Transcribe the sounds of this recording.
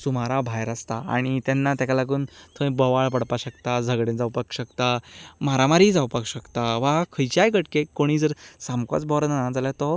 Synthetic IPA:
sumaɾabʱajɾast̪aa̰ɽ̃it̪ɛnːat̪akalaɡuːnt̪ʰəĩbɔʋaɭpəɽpaɕəkt̪ad͡zʱəɡɽẽnd͡zawpakɕəkt̪amaɾamaɾiːd͡zawpakɕəkt̪aʋakʰəjt͡ɕajkəʈkekːoɽ̃iːd͡zəɾsamkɔ̰t͡sbɔɾnanaãd͡zaljat̪ɔ

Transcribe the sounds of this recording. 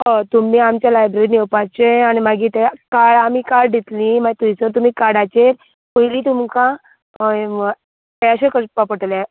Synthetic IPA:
ət̪umiːamt͡ɕjalajbɾeɾinewpat͡ɕeanimaɡit̪ekaɭamiːkaɾɖd̪it̪lĩmat̪umit͡səɾt̪̬um̤iːkaɽat͡ɕeɾ | pəjlit̪umkã | eaɕekəspapəʈlja

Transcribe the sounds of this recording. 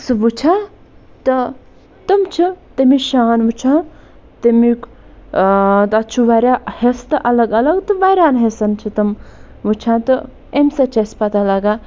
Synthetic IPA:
subut͡ʃʰã | t̪ɐ | t̪ɐmt͡ʃʰit̪ɐmiʃaːnʋut͡ʃʰã | t̪imik | t̪ɐt͡ʃʰubaɾʲahest̪ɐʔɐlɐɡɐlɐɡt̪ɨbajɾaːnɦesɐnt͡ʃʰit̪ɐm | ʋut͡ʃʰãt̪ɨ | emset͡ʃʰespɐt̪alaɡa

